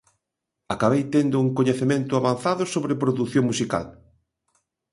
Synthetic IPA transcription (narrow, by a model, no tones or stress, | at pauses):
akaβejt̪end̪ʊuŋkoɲeθemẽnt̪ʊaβanθaðʊsoβɾepɾoðuθjoŋmusika̰l